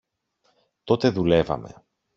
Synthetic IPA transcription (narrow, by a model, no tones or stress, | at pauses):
t̪o̞t̪e̞ðule̞vɐ̰me̞̰